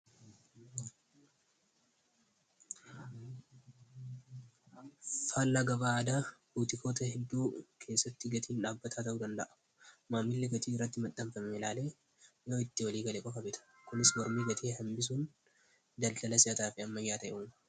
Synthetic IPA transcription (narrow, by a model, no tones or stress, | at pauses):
falːɐɡɐbaːd̪aːbuːt̪ɪkʰo̞ːt̪ɐhɛd̪ːuːkʰe̞ːsːɐt̪ːɪɡɐt̪ʰiːnᶑaːbːɐt̪ʰaːt̪ɐʔuːd̪ɐnd̪ɐʔɐ̥ | maːmːɪlːɛɡɐt̪iːɪrːɐt̪ːɪmɐt̪ʼːɐɱfɐmɛɪlaːle̞ː | joːɪt̪ːɪwɐliːɡɐleːkʼɔkɐbɛt̪ʰɐ̥kʊnɪsmɔɾmiːɡɐt̪ʰeːɦɐmbɪs̬uːn | d̪ɐld̪ɐlɐsɪɐt̪aːfɪɐmːɐɡɪjaːt̪ɐʔʔuːmɐ̥